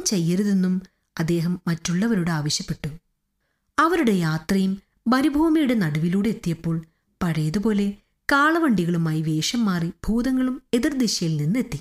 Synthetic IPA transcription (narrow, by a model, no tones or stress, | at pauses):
mt͡ɕe̞jːɐɾɐðe̞nːum | ɐd̪ːe̞ːɦɐmːɐtːuɭːɐʋɐɾuɽeaːʋɐɕjɐpːe̞ʈːu | ɐʋɐɾuɽe̞jaːt̪rɐjum | bɐɾibʱuːmɐjuɽe̞nɐɽɐʋiluːɽeːt̪ːijɐpːo̞ːɭ | pɐɻɐjɐðupo̞ːle̞ | kaːɭɐʋɐɳɖiɣɐɭumaːjiʋe̞ːʂɐmːaːrib̥ʱuːðɐŋːɐɭume̞ðird̪iɕɐjilninːe̞t̪ːi